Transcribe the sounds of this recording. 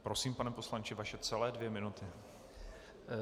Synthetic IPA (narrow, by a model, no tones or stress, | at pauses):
pɾo̞siːmpanɛpo̞slant͡ʃɪvaʃɛt͡sɛlɛːdvjɛmɪnut̪ɪ